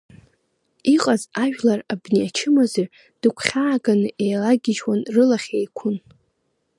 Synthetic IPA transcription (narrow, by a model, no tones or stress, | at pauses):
iqʼazaʒᶣlarabniat͡ʃʰɪmaze | d̥ɨkʷʰχʲaːɡanɨʔejlaɡʲɪʒwanrɨlaχʲejkʷʰʊn